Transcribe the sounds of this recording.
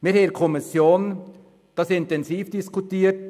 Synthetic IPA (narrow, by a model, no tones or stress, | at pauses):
miɾhɛɾkʰɔmɪsjoːn | d̥ɑsɪntɛnsiːfd̥ɪskʰutiːət̚